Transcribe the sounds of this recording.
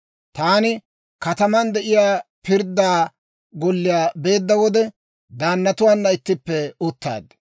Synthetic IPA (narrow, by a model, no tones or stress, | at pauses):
t̪aːnɪ | kɐt̪ɐmɐnd̪ɛʔɪjaːpɪɾd̪ːaː | ɡɔlːɪjaːbe̞ːd̪ːɐwɔd̪ɛ | d̪aːnːɐt̪ʊwaːnːɐɪt̪ːɪpːɛʊt̪ːa̰ːd̪